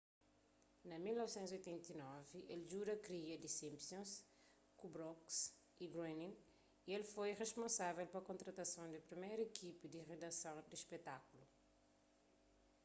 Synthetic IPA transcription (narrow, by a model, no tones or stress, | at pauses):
nɐmilnɔvsẽnt̪zojt̪ẽnt̪inɔviʔelʒuɾɐkɾiɐd̪isĩmpsõns | kubɾɔks | iɡɾẽnĩ | ielfojreʃpõsavɛlpɐkõnt̪ɾɐt̪ɐsɐ̃w̃d̪ɐpɾimejɾekʰipid̪iʁed̪ɐsɐ̃w̃d̪iʃpet̪akulu